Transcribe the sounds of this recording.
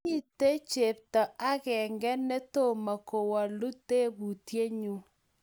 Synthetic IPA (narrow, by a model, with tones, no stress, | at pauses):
i˦te˦t͡ʃe˨p̚tɔ˨a˦kɛ˨ŋɡɛ˦ne˦to˦˨ma˨ko˨wa˨lu˦te˦bu˨tje˦ɲu˦